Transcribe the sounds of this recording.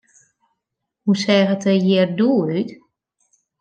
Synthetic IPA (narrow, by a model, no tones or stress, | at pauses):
husɛːɣətʰəjɛrduːyt